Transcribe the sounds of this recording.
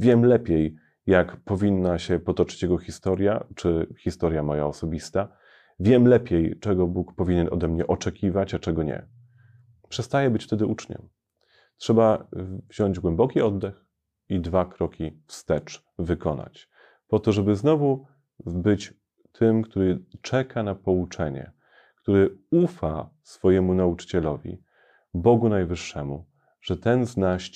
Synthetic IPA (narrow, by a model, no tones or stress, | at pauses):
vʲjɛmlɛpʲjejː | akpɔvʲinːaɕɛpɔt̪ɔt͡ʂɘ̥t͡ɕjɛɡɔxʲist̪ɔɾʲjat͡ʂɘxʲist̪ɔɾjamɔja̰ɔsɔbʲist̪a | vʲjɛmlɛpʲjɛjt͡ʂɛɡɔbukpɔvʲiɲɛnɔ̰d̪ɛmɲɛʔɔt͡ʂɛkʲivat͡ɕat͡ʂɛɡɔɲɛ̰ | pʂɛst̪ajɛbɘt͡ɕft̪ɛd̪ɘʔut͡ʂɲɛ̰m | tʂɛbavʑɔɲd͡ʑɡwɛmbɔkʲiɔd̪ːɛx | id̪vakɾɔkʲifst̪ɛt͡ʂ | vɘkɔna̰t͡ɕ | pɔt̪ɔʐɛbɘznɔvu | bɘt͡ɕ | t̪ʰɘmkt̪uɾɘt͡ʂɛkʰanapɔut͡ʂɛɲɛ̰ | kt̪uɾɘufa̰sfɔjɛmunaut͡ʂɘ̥t͡ɕɛlɔvʲḭ | bɔɡunajvɘʂːɛmṵ | ʐ̥ɛt̪ɛnznaɕ